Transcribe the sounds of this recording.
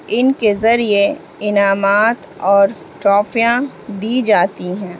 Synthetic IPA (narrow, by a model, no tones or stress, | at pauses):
ɪnkezɐɾie | ɪnaːmaːt̪ | ɔːɾ | ʈɾɔːfijã | d̪iːd͡ʒaːt̪iɦɛ̃ː